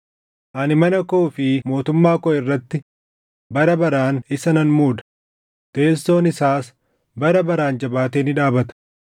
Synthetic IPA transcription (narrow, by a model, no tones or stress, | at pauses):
ʔɐnɪmɐnɐkoːfɪmo̞ːt̪ʊmːaːkɔʔɪrːɐt̪ːɪ | bɐɾɐbɐɾaːnɪsɐnɐnmuːᶑ̪ɐ̥ | t̪e̞ːlso̞ːnɪsaːs | bɐɾɐbɐɾaːnd͡ʒɐbaːt̪eːnɪᶑaːbɐt̪ɐ̥